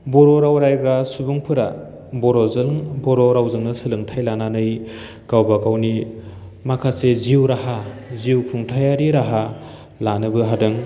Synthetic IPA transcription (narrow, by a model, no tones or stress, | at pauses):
boɾoɾawɾajɡasubuŋpʰɯɾa̰ | bɔɾɔzɯŋbɔɾoɾawzɯŋnɯsɯlɯŋtʰajlananɯj | kawbakawni | makʰaseziwɾaɦaziwkʰuŋtʰajaɾiɾaɦa | lanɯbɯɦadɯŋ